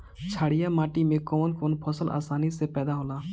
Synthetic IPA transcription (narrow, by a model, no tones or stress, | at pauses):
t͡ʃʰaːɽijamaːʈimẽkoːnkoːnpʰɔsəlʔa̰ːsaːnisepɛːd̪aɦolaː